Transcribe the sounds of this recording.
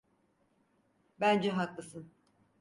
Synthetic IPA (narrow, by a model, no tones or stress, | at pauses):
bænd͡ʒɛɦaklˠɯsɯn